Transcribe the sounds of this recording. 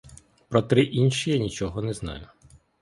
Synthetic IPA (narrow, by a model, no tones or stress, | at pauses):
pɾɔt̪ɾɪʔinʃijanʲit͡ʃɔɦɔnɛznɑ̰jʊ